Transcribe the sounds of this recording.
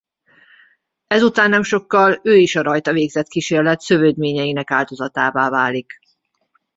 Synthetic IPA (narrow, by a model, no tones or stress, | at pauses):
ɛzut̪aːnːɛmʃo̞kːɒløːiʃɒɾɒjt̪ɒveːɡzɛt̪kiʃeːrlɛt̪sø̞vøːd̪meːɲɛjinɛkaːld̪o̞zɒt̪aːvaːvaːlik